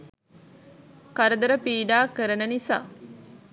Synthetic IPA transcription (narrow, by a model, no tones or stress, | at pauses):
kaɾəd̪əɾəpiːɖaːkəɾənənisa̰ː